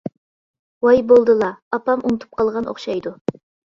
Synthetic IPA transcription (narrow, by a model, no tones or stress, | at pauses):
wɑjbolˠd̪ɨlˠɑːpɑmʔunɨt̪ʰu̥p̚qʰɑlˠʁɑnʔo̰χʃɑjd̪u